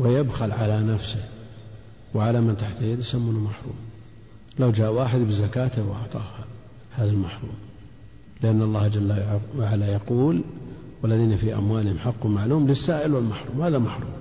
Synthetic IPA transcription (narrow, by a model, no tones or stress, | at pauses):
wɪjabxalʕalanafsɪh | wʕalamɪnt̪aħt̪aljad̪jsamːuːnamaħɾˤṵːm | lawd͡ʒaːʔwaːħɪd̪bɪzakaːt̪ɪwʔɑ̰ʕt̪ˤɑ̰ːha | haːðalmaħɾˤṵːm | lɪʔanːɑlˤːɑːhd͡ʒalːawʕalːajɑquːl | walːaðiːnafiʔa̰mwaːlɪhɪmħaqːwmaʕluːmlɪsːaːʔɪlwɪlmaħɾˤuːmhaːðamaħɾˤuːm